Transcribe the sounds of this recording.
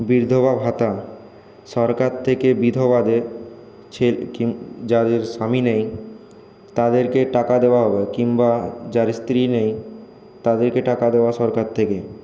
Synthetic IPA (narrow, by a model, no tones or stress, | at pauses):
biɾd̪ʱobabʱɦat̪a | ʃɔɾkaɾt̪ʰekebid̪ʱobad̪e | t͡ɕʰekid͡ʑad̪eɾʃaminej | t̪ad̪eɾkeʈakad̪eoaɦɔbekimbad͡ʑaɾst̪ɾinej | t̪ad̪eɾkeʈakad̪eoaʃɔɾkaɾt̪ʰeke